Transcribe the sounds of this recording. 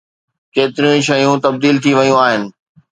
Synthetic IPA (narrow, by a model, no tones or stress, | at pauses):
keːt̪ɪɾĩʃɐjũt̪ɐb̚d̪iːlt̪ʰiʋɐjũaːɦɪnɪ̆